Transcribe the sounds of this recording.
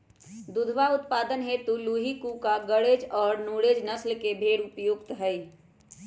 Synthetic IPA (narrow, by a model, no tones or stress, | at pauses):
d̪ʊd̪ʱʋaʊt̪paːd̪ənɦet̪uluːɦikukaɡəɽeːd͡ʒɔːɾnuːɽeːd͡ʒnəslkebʱeːɽʊpjʊɡt̪ɦəi